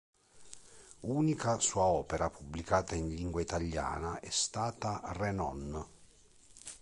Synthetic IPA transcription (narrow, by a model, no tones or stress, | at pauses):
uːnikasuːaɔːpɛɾapubːlikaːt̪ainliŋɡwait̪aʎːa̰ːnaʔɛst̪aːt̪arɛnɔn